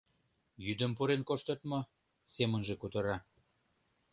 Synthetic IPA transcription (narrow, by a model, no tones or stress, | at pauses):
jyd̪ə̆mpuɾenkoʃt̪ə̆t̪mɤ | semənʒĕkut̪ə̆ɾɑ